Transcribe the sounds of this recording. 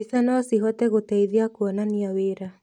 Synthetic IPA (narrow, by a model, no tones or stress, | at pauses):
isanɔsiɦɔtɛɣotɛiðiakuɔnaniaweɾa